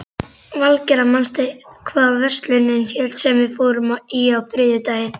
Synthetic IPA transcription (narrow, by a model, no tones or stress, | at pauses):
valcɛɾamanst̪ʏkʰvaːðvɛr̥st̪lɪnːɪnçɛlt̪sɛmvɪðfoːwɾʏmaiawθɾɪːðɪt̪aːjɪn